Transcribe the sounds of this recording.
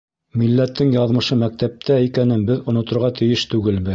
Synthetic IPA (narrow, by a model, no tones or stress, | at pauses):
milːæt̪ːɘŋjɑðmɤ̆ʃɤmæk̚t̪æp̚t̪æikænɘnbɘðŏnŏt̪ŏɾʁɑt̪ʰɘ̆jɘʃt̪ʉɡɘlbɘ